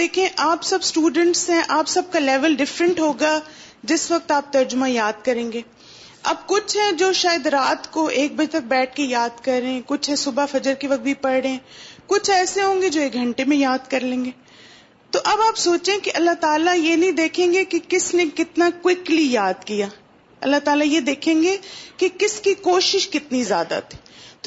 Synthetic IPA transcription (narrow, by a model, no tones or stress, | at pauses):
d̪eːkʰiẽʔaːpsɐbsʈuːɖə̃ɳʈsɦɛ̃ʔaːpsɐb̚kalɛːʋəlɖɪfɾə̃ɳʈɦoːɡa | d͡ʒɪsʋɐk̚t̪aːp̚t̪ɐɾd͡ʒʊmãjaːd̪̚kɐɾẽːŋɡeː | ɐ̰b̚kʊt͡ʃʰɦɛ̃d͡ʒoːʃaːjəd̪ɾaːt̪koʔeːk̚bɐd͡ʒt̪ɐk̚bɛːʈ̚ʰkejaːd̪kɐɾẽkʊt͡ʃʰɦɛ̃sʊbafɐd͡ʒəɾkeʋɐk̚t̪̚bʱipɐɽɽeɛ̃ːkʊt͡ʃʰɛːseɦõːŋɡed͡ʒoːeːk̚ɡʱɐ̃ɳʈemẽjaːd̪kɐɾlẽːŋɡeː | t̪oʔɐbaːpsoːt͡ʃeɛ̃keʔɐlːaɦt̪aːlajenɐɦĩd̪eːkʰẽːŋɡekekɪsnẽkɪt̪nakwɪklijaːd̪kijaː | ɐlːat̪aːlajed̪eːkʰẽːŋɡekekɪskikoːʃɪʃkɪt̪nizjaːd̪a̰t̪ʰi̥ːt̪